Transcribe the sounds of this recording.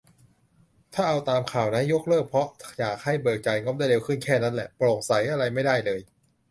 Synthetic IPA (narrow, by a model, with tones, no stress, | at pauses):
t̪ʰaː˥˩ʔa˧wt̪aː˧mkʰaː˨˩wna˦˥njo˦˥k̚lɤː˥˩k̚pʰɔ˦˥jaː˨˩k̚ha˥˩jbɤː˨˩k̚t͡ɕa˨˩jŋɔ˦˥mdaː˥˩jɾe˧wkʰɯ˥˩nkʰɛː˥˩na˦˥nlɛ˨˧˩ʔplo˨˩ŋ̚sa˩˦jʔa˧ɾa˧jma˥˩jdaː˥˩jlɤː˧j